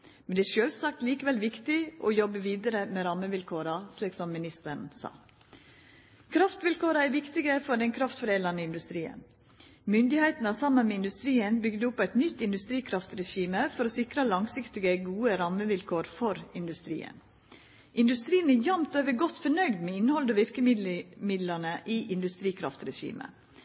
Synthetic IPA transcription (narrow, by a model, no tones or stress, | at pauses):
mɛnd̪ɛæʃøːlsɑːk̚t̪liːkəʋɛlʋɪkt̪ɪʔɔjɔbəʋiːd̪əɾəmɛɾɑməʋɪlkʰoːɾɑsliːksɔmːɪnɪst̪əɾn̩sɑ̰ː | kʰɾɑft̪ʋɪlkʰoːɾɑæɾʋɪkt̪ɪɡəfɔɖɛnkʰɾɑft̪fɔɾeːlɑnəɪnd̪ʉst̪ɾiːə̰n | mʏnd̪ɪhæɪt̪nəsɑmːənmɛːɪnd̪ʉst̪ɾiːənbʏɡd̪əʊpːæɪt̪nʏt̪ːɪnd̪ʉst̪ɾiːkʰɾɑft̪ɾɛʃiːməfɔɾoːsɪkɾəlɑŋsɪkt̪ɪɡəɡuːəɾɑmːəʋɪlkʰoːɾfɔɾɪnd̪ʉst̪ɾḭːə̰n | ʔɪnd̪ʉst̪ɾiːənæjɑmt̪øːʋəɾɡɔt̪ːfɔɳœɡd̪mɛːɪnhɔld̪oːʋɪɾkəmɪd̪mɪd̪lɑnəʔiːʔɪnd̪ʉst̪ɾiːkʰɾɑft̪ɾɛʃḭːmə̰